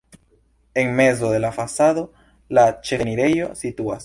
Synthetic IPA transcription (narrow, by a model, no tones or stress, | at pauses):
e̞ŋme̞zo̞de̞lafasado̞ | lat͡ʃeniɾe̞jo̞situas